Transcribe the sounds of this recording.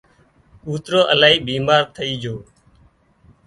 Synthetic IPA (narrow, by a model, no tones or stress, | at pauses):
uːt̪ɾoːʔəlaːɦiːbiːmaːɾt̪ʰəiːd͡ʒoː